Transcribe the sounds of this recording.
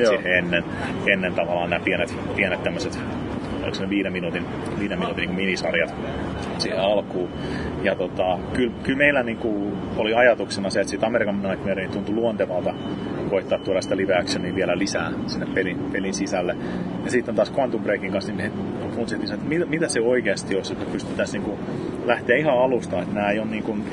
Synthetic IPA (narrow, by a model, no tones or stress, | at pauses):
siheenːen | enːent̪ɑʋɑlɑːnæːpienet̪ | pienet̪t̪æmːøset̪ | o̰liksneʋiːɾemːinut̪in | ʋiːdemːinut̪inːiŋkuminisɑrjɑt̪ | siheɑlkuː | jɑt̪ot̪ɑkylkylmeilːæniːŋkuoliɑjɑt̪uksenɑseet̪sit̪ɑmeɾikɑminɑit̪myeɾenit̪unt̪uluont̪eʋɑlt̪ɑkoit̪ːɑːt̪t̪ːuolɑsi̥t̪æliʋeːksøniʋielælisæːsinːeppelinpelinsisælːe | jɑsiˑt̪ːent̪ɑːskoɑnt̪umpreːkiŋkɑnsnimhe | punt̪sielt̪ːinsɑnot̪ːt̪mit̪mit̪æsseoikeːst̪ioset̪ːæpyst̪y̥t̪ːæsniːŋku | læht̪eæihɑɑlust̪ɑet̪næːeionniːŋkun